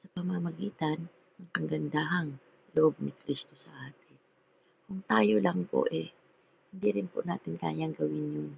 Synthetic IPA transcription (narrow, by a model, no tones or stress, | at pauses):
sɐpɐmamɐɡiːt̪ɐn | ɐŋkɐŋɡɐnd̪aːɦɐŋ | loʔob̚nɪkɾist̪osɐʔaːt̪ɪn | kʊŋt̪aːjolaŋpo̰ʔɛ | hɪnd̪iɾɪnpʊ̰na̰ːt̪ɪnka̰ːjaŋɡɐwɪnjʊŋ